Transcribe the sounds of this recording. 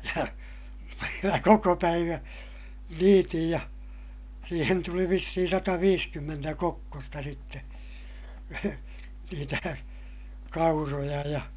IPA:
jɑ mæ koko pæiʋæ̃ː niːtij jɑ siːhen tuli ʋisːihin sɑtɑʋiːskymːentæ kokːostɑ sitːe niːtæ kɑurojɑ jɑ

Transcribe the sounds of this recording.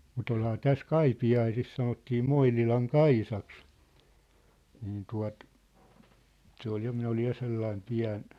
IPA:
mut olhɑː tæs kɑipiɑisis sɑnotːiː moinilɑŋ kɑisɑks niːn tuɑt se ol jɑ minæ olij jɑ selːɑim piæ̝n

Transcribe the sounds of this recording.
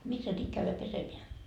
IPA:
misːæ nyt kæyʋæ pesemeæ

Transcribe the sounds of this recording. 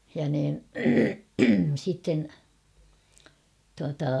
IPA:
jɑ niːn sitːen tuɑtɑ

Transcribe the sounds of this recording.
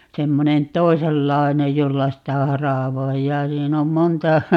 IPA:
semːonen toiselːɑi̯nej jolːɑ sitæ hɑrɑˑʋoijːɑː siːn om montɑ

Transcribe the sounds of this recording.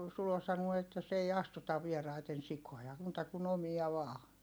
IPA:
sulo sɑnuo etːæ s ei ɑstutɑʋ ʋierɑiten sikojɑ muːtɑ kun omiɑ ʋɑː

